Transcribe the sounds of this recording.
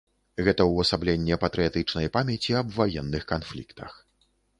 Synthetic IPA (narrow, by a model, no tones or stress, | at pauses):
ɣɛt̪ɐwɐsablʲenʲːɛpɐt̪ɾɨjat̪ɨt͡ʂnɐjpamʲɛt͡sʲiɐbvajɛnːɨxkanflʲikt̪ʰɐ̰x